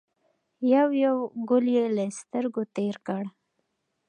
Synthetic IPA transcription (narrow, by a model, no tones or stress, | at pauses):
jawjawɡʊljeləst̪əɾɡot̪eɾkəɽ